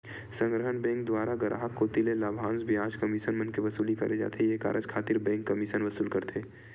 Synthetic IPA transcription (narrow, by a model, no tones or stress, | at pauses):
sə̃ŋɡɾəɦənbɛ̃ːŋk̚d̪waːɾaɡɐɾʔa̰ːɦəkːot̪ilelaːbʱãːnsbʱiaːd͡ʒkɐmiʃənmɐnkeʋɐsuːlikɐɾed͡ʒa̰ːt̪ʰejeka̰ːɾʔəd͡ʒkʰaːt̪ɪɾbɛ̃ːŋkːɐmiʃənʋɐsuːlkɐɾt̪ʰeː